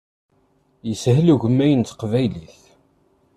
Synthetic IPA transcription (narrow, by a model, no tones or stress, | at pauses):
jəsɦluʝəmːæjənt̪qvæjliθ